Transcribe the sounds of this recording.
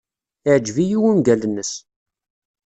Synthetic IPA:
ɪʕd͡ʒvijiwunɡælənːəs

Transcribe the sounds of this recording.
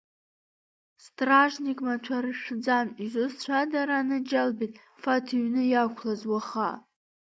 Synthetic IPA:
stʼraʒnikʼmatʷʰaɾɨʂᶣd͡zanizʷost͡ɕʷʰadaɾanɨd͡ʒalbitʼ | fatʰiɥnɨjakʷʰlazwaχa̰

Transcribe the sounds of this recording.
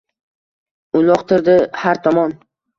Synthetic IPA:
ʊlˠɒqt̪ʰɪɾd̪ɪhaɾt̪ʰɒmɒn

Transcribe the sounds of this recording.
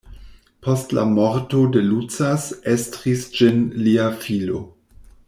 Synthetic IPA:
pʰostla̰moɾtodelut͡sasestʁisd͡ʒinliafilo̞̰

